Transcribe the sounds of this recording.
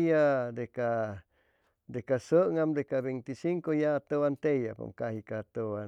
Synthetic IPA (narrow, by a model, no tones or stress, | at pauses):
jad̪eka | d̪ekasəʔŋamd̪ekaβeŋt̪isiŋkojaːt̪owant̪ejapa̰ŋkahikaːt̪oa